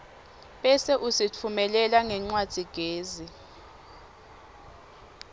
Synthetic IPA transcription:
ɓʼɛsɛʔusit͡fʰumɛlɛlaŋɛŋ͡ǀwad̥d̥ʱiɡ̥ʱeːzi

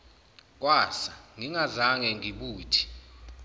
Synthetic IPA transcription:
k̬ʼwaːsaŋiŋazaŋɛŋiɓuːtʰi̥

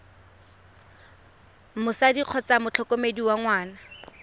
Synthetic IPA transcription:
mʊsadiq͡χʰɔt͡samʊt͡ɬʰɔkomediwaŋwaːna

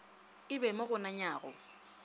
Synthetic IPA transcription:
ɪbɛmʊɣʊnaɲaːɣɔ

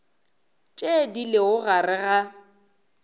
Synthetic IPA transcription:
t͡ʃʼedilɪʊɣarɪɣa

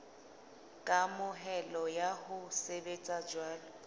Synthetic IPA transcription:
kʼamʊɦɛlɔjahʊsebet͡sʼad͡ʒwaːlɔ

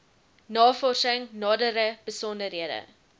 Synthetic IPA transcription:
nɑːfɔrsəŋnɑːdəɾəb̥əsɔndəɾiədə̰

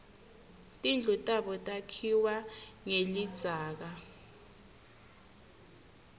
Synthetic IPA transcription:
tʼind͡ɮʱutʼaɓɔtʼakʰiwaŋelid̥z̥ʱaːk̬a

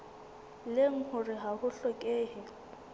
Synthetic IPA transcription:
leŋ̩hʊrɪɦahʊɬɔkʼeːhɪ

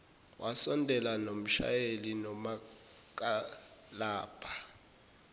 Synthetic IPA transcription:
wʔasɔndʱɛlanom̩ʃa̰jelinɔma | k̬ʼalaːb̥ʰʱa

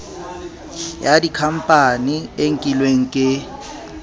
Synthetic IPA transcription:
jadikʰam̩pʼanieŋ̩kʼilweŋ̩kʼɪ

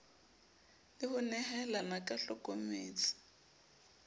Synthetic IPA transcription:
ɪhʊnɛhɛlanakʼaɬɔkʼomeːt͡sɪ̥

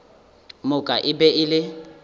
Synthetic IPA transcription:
mʊkʼaʔɪbɛʔɪlɪ

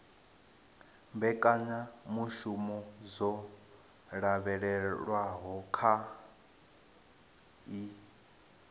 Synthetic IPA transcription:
mbɛkʼaɲamuʃumɔzɔ | ɺaβɛɺɛɺwaɦɔkʰa | i

